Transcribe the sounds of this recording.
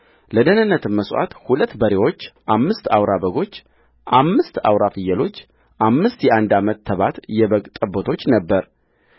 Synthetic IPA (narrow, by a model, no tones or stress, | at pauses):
ləd̪ənɨnːət̪ʰɨmːəsʔa̰t̪hulət̪ːbəɾewo̞t͡ʃːʔamːɨst̪awɾaβəɡo̞t͡ʃː | ʔamːɨst̪awɾafɨjːəlo̞t͡ʃː | ʔamːɨst̪jɛʔand̪amət̪ʰːəβat̪jɛβəɡt̪ʼəbot̪ʰo̞t͡ʃːnəbːəɾ